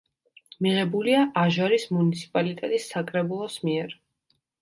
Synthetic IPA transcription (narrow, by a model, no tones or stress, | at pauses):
miʁɛbuliaʔaʒaɾismunit̪sʰi̥pʼalit̪ʼɛt̪ʼisːakʼɾɛbulˠɔsmiɛɾ